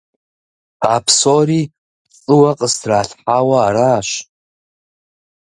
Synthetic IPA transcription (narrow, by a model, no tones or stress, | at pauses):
apʰsoɾi | t͡sʼɨwaqʼəsdraːɬħawaːɾaːʃ